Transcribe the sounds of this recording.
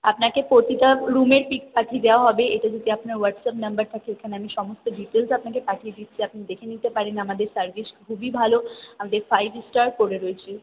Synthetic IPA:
apnakepɾot̪it̪aɾumeɾpikpaʈʰied̪eaɦɔbeeʈad͡ʑod̪iapnaɾwəɖsapnɐmbəɾt̪ʰakeekʰaneamiʃɔmost̪oɖiʈelsapnakepaʈʰied̪it̪ːt͡ɕʰiapnid̪ekʰenit̪epaɾenamad̪eɾsəɾviskkʰubibʱaloamad̪eɾfajbsʈaɾkoɾeɾoet͡ɕʰe

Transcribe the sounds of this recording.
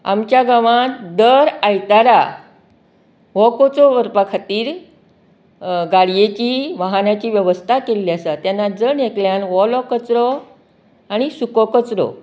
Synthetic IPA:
a̰mt͡ɕjaɡaʋãt̪d̪əɾajt̪aɾa | ʋɔkot͡sɔʋəɾpakʰat̪iːɾ | ɡaɽijet͡ɕiːʋaɦanat͡ɕiːʋjəʋəst̪ʰakeliasat̪janːad͡zənekljanʋɔlɔkət͡sɾɔ | aɽ̃isukɔkət͡sɾɔ̰

